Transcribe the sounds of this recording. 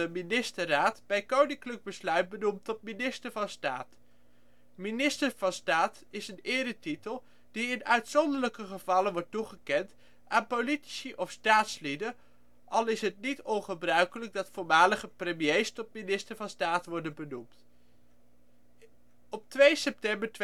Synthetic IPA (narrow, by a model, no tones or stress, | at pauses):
əminɪstəraːtb̥ɛjkownɪŋkləɡ̚bəslœɥt̚bənumtɔt̚minɪstəɹvɑnstaːt | minɪstəɹv̥ɑnstaːt | ɪsənɪːdətitəlˠ | d̥iɪnœɥtsɔndələkəχəvɑlənʋɔɹtuχəkɛnt | ʔaːnpoliti̥siʔɔfstaːtslidə | ʔɑlˠɪsɦət̚nitɔnχəbrœɥkələɡ̚dɑtfʊːɹmaːləχəprəmjejstɔt̚minɪstəɹvɑnstaːtʋɔɹdənbənumt | ɔp̚tʋejsɛp̚tɛmbəɹt